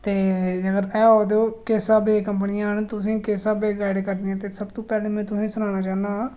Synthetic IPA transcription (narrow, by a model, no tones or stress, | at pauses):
t̪eːd͡ʒəɡəɾɛːɔːd̪eoːkeːsaːbeːkəmpnɪãːɦənt̪ʊsĩːkeːsaːbeːɡaːɪɖkəɾneãːt̪eːsəbt̪õːpɛːlẽːmɛ̃ːt̪ʊsĩːsʊnãːnaːt͡ʃaːnaː